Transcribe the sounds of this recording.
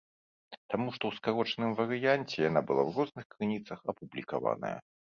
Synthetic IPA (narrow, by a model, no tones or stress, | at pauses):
t̪amuʂt̪ɔwskaɾɔt͡ʂnɨmvɐɾɨjanʲt͡sʲɛjan̪abɨlˠa̰wrɔznɨxkɾɨnʲit̪sɐxɐpublʲika̰va̰nɐ̰jɐ̰